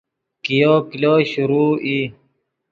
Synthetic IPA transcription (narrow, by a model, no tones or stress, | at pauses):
kijokiloɕuɾuːʔi